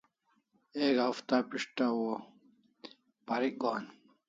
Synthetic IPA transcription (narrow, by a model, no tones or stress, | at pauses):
eːɡaft̪apiʂʈawo | pɐɾik̚ɡaːn